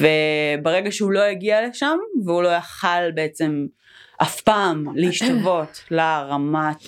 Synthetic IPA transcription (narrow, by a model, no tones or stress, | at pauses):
vebeʁeɡaʃeulo̞jaɡialeʃamveulo̞jaχalbeet͡se̞m | ʔafpaːmleiʃt̪ovo̞tlaʁamat